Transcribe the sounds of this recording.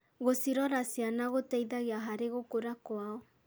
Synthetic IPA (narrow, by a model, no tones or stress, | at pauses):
ɣosiɾɔɾasianaɣotɛiðaɣiaɦaɾeɣokoɾakoaɔ